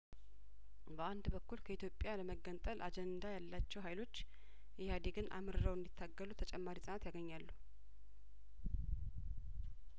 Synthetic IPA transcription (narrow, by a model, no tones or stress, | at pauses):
bəand̪bəkːulkʰəit̪jo̞pʼjaləməɡːənt̪ʼəlʔad͡ʒɛnd̪ajalːat͡ʃːɛwɦajlo̞t͡ʃː | jɪhad̪eɡɨnʔa̰mɨɾɨɾəwɨnd̪it̪ʰːaɡːəlut̪ʰət͡ʃʼɛmːaɾisʼanat̪jaɡəɲːalːu